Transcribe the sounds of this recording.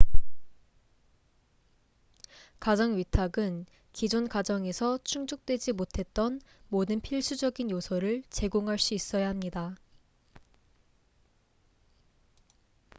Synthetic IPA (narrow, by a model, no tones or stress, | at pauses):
kad͡ʑʌŋɥitʰaɡɯn | kid͡ʑonkad͡ʑʌŋe̞sʰʌt͡ɕʰuŋd͡ʑok̚t͈we̞d͡ʑimotʰe̞t̚t͈ʌnmodɯnpʰiɭs͈ʰud͡ʑʌɡinjosʰʌɾɯɭt͡ɕe̞ɡoŋɦaɭs͈uis͈ʌjaɦamɲida